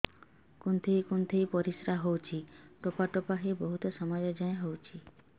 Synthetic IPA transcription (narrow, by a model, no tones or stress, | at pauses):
kunt̪ʰejkunt̪ʰejpɔɾisɾaɦowt͡ʃʰiʈopaʈopaɦebɔɦut̪ɔsɔmad͡ʒɔd͡ʒãẽɦowt͡ʃʰi